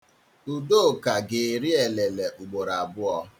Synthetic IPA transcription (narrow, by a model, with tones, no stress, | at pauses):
u˨do˦˨ka˨ɡe˨ɾi˦e˨le˨le˨ʔu˨ɡ͡bo˨ɾa˨bʊ˦ɔ˦